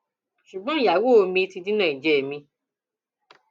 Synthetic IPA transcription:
ʃu˨ɡ͡bɔ̃˦i˨ja˨˦wo˦˨˧mĩ˧ti˧di˦nã˦˨i˨d͡ʒɛ˨mĩ˧

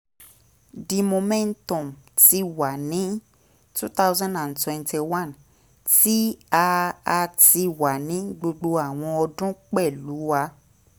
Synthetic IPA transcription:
di˧mo˧mɛ̃˦n̩˦tɔ̃˨m˨ti˧wa˨nĩ˨˦ | tu˦t̪a˦wzɔ̃˦ndã˨n̩˨twɛ̃˨nte˧wã˦˨n | ti˦a˧a˧ti˧wa˨nĩ˨˦ɡ͡bo˧ɡ͡bo˧a˦˨w̃ɔ̃˧ɔ˧dũ˦k͡pɛ˦˨lu˨˦wa˧

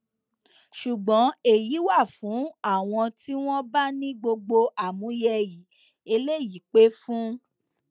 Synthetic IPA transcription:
ʃu˨ɡ͡bɔ̃˨˦e˨ji˨˦wa˦˨fũ˨˦a˦˨w̃ɔ̃˧ti˦w̃ɔ̃˦ba˦nĩ˦ɡ͡bo˧ɡ͡bo˧ʔa˨mũ˨˦jɛ˧ji˨˦ | e˧le˦˨ji˨˦k͡pe˦fũ˦

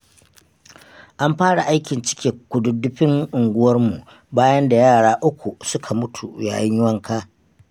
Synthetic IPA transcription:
ʔa˦mɸaː˦ɽa˨ʔa˦jkʲɪ˨nt͡ʃɪ̥˦kʲeː˨kʷʊ˨dʊ˨dːʊ˦ɸɪ˦ŋʔʊ˨ŋɡʷʊ˦wɐ˦rmu˨ʔ | baː˦jɐ˦nda˨jaː˦˨ɽaː˦ʔʊ˦kʷu˨sʊ˦kʰa˨mʊ˦tʰu˨ja̰ː˨jɪ˦ɲjʊ˦wɐ˦ŋkʰaː˦

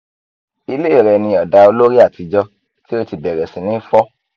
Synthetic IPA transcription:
i˧le˦i˦˨ɾɛ˨˧nĩ˧ɔ˨da˧o˧lo˦ɾi˦a˦˨ti˨˧d͡ʒɔ˧ | ti˦o˦i˧ti˨bɛ˨ɾɛ˨sĩ˨nĩ˨˦fɔ˦

